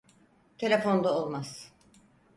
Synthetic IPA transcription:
t̪ʰe̞lʲefo̞nd̪ˠaolˠmaz̥

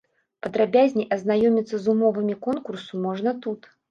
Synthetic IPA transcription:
pɐd̪ɾabʲazʲnʲiʔɐznajɔmʲit̪sːɐzumɔvɨmʲikɔnkursumɔʐnɐt̪ut̪

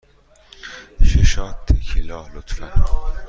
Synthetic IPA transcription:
ʃeʃɑːt̪ʰːekʰilɒːlot̪fæn

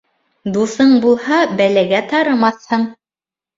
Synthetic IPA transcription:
d̪uθɤɴbulˠhɑbælæɡæt̪ɑɾɤ̆mɑθhɤɴ

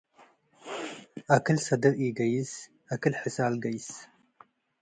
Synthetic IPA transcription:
akʰɨlsɐd̪ɐɾiɡɐjɪs | akɨlħɨsalɡɐjs

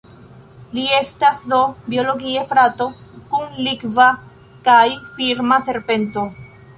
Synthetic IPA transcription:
liest̪aθðobjoloɣiefɾat̪okuŋlikva | kajfiɾmaθeɾpent̪o

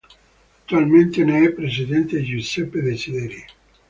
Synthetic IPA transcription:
akt̪ːualmẽnt̪eneɛpɾes̬iðent̪eʒusɛpːeðesiðeɾi

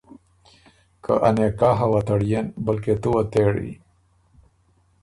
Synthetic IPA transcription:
kʰə̰ʔɐ̰nekaːɦawat̪aɽjenbəlket̪uwat̪eɽḭ

